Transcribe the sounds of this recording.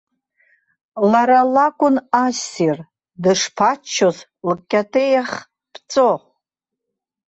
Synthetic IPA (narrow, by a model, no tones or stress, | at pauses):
laɾalakʷʼʊnasir | dɨʂpʰat͡ʃʰːoz | lkʲʼːatʰejaχ | pʰt͡sʼo